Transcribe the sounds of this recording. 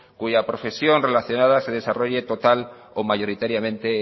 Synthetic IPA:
kuʝapɾo̞fe̞sjo̞nre̞laθjo̞nað̞ase̞ð̞e̞saro̞ʝe̞t̪o̞t̪al | omaʝo̞ɾit̪aɾjamẽ̞nt̪e̞

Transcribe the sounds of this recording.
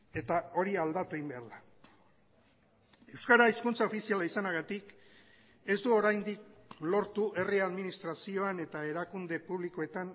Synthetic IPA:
e̞t̪ao̞ɾiald̪at̪uejmbe̞aɾla | e̞wskaɾaiskunt͡sao̞fisialaisanaɣat̪ik | e̞zd̪uo̞ɾajnd̪ik̚lo̞ɾt̪uʔe̞riaðminist̪ɾasio̞ane̞t̪ae̞ɾakund̪e̞puβliko̞e̞t̪an

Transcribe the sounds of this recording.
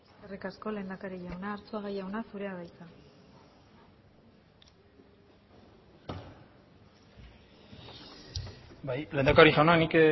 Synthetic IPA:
eskerikasko̞lend̪akaɾiʝawnaːɾt͡suaɣajawnasuɾe̞aβajt̪a | bajle̞ːnd̪akaɾiʝawnaknik

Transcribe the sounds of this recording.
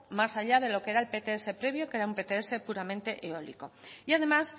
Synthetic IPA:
masaʎað̞e̞lo̞kee̞ɾae̞lpe̞t̪eese̞pɾe̞βjo̞keɾaumpe̞t̪eesepuɾamẽ̞nt̪e̞ʔeo̞lḭko̞iað̞e̞mas

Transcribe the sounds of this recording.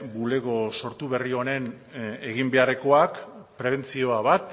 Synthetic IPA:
bule̞ɣo̞so̞ɾt̪uβe̞rio̞ne̞n | e̞ɣimbe̞areko̞akpɾe̞β̞e̞nt͡sio̞aβat̪

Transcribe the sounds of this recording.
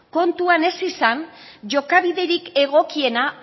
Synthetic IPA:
ko̞nt̪uane̞sisan | ʝo̞kaβiðe̞ɾike̞ɣ̞o̞kie̞na

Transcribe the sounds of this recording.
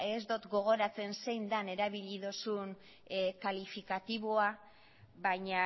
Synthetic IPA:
ezd̪ot̪ɡo̞ɣ̞o̞ɾat͡se̞nse̞jnd̪ane̞ɾaβiʎiðosun | kalifikat̪iβoa | βajɲa

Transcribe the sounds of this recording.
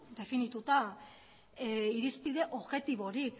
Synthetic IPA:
d̪e̞finit̪ut̪a | iɾispið̞e̞ʔo̞βɣe̞t̪iβ̞o̞ɾik

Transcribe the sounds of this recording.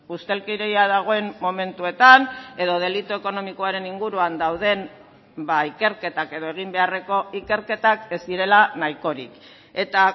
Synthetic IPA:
ust̪e̞lkiɾejaðaɣ̞o̞e̞mːo̞me̞nt̪ue̞t̪ane̞ðo̞ð̞e̞lit̪ue̞ko̞no̞miko̞aɾe̞niŋɡuɾuand̪awð̞e̞m | baike̞ɾke̞t̪ake̞ðo̞e̞ɣ̞imbe̞are̞ko̞ike̞ɾke̞t̪ake̞zd̪iɾe̞lanajko̞ɾḭk | e̞t̪a

